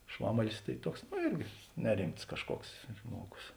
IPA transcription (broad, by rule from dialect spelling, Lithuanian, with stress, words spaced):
ˈʃʋɑːmɐlʲɪs tɐɪ ˈtuɔks ˈnoː ˈɪrʲɡʲɪ nʲɛˈrʲɪmts kɐʃˈkuɔks ˈʒmuɔˌɡʊs